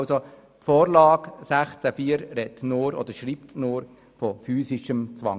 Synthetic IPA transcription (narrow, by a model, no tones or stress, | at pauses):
so | tfoːɾlɑːɡsæχt͡sæfiːəɾɾɛtnʊːɾɔ̰d̪əɾʃɾiːptnʊːɾ | fɔfyːsɪʃəmt͡sʋɑ̰ŋ